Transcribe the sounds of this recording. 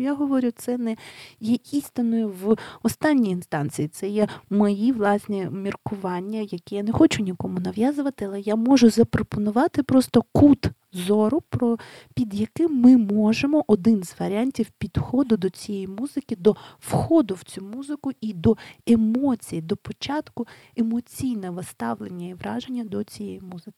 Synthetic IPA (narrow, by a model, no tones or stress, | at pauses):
jaɦɔʋɔɾʲʊt̪sɛnɛjɛist̪ɪnɔjʊʋɔst̪ɑnʲːiiinst̪ɑnt͡sʲijit̪sɛjɛmɔjiʋlˠɑsʲnʲɛmʲirkʊʋɑnʲːɐjɐkɛjanɛxɔt͡ʃʊnʲikɔmʊnɐʋjazʊʋɐt̪ɪɐlˠɛjamɔʒʊzɐpɾɔpɔnʊʋɑt̪ɪpɾɔst̪ɔkut̪ | zɔɾʊpɾɔ | pʲid̪jɐkɪmːɪmɔʒemɔʔɔd̪ɪnzʋɐɾʲɪanʲtʲiwpʲid̪xɔd̪ʊd̪ɔt͡sʲijɛjimuzɪkʲɪd̪ɔwxɔd̪ʊwt͡sʲumuzɪkʊid̪ɔemɔt͡sʲijid̪ɔpɔt͡ʃɑt̪kʊemɔt͡sʲijnɛʋɐst̪ɑʋlˠenʲːɐiʋɾɑʒenʲːɐd̪ɔt͡sʲijɛjimuzɪkɪ